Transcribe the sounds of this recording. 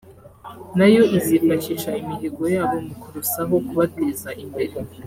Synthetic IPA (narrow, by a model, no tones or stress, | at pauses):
najo̞ʔizipaciʃaimiɦeɡo̞jaːβo̞mukuɾusaɦo̞kuβatezaʔimbeɾe